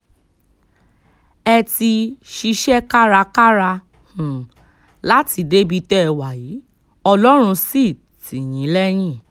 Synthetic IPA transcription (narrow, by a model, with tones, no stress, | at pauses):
ɛ˧ti˧ʃi˦˧ʃɛ˦ka˦ɾa˧ka˦ɾa˧ | hũ˨ | la˦ti˨˧de˦bi˧tɛ˦˧wa˨ji˨˦ | ɔ˧lɔ˦ɾ̃ũ˧si˦˨ | ti˨j̃ĩ˨˦lɛ˦j̃ĩ˦˨